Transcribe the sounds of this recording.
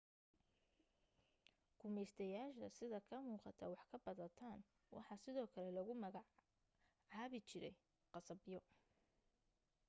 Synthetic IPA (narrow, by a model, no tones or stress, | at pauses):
kʰʊmɛjst̪ʰɐjaːʃɐsɪðɐkʰɐmuːqɑt̪ʰɐ̰wɑħkʰɐbɐðɐt̪ʰaːn | wɑ̰ħɑsɪðɔːkʰɐlɛlɐɣʊmɐɣɑ | ʕɑːβɪt͡ʃʰɪɾɛ̰j | qɑsɐbjɔ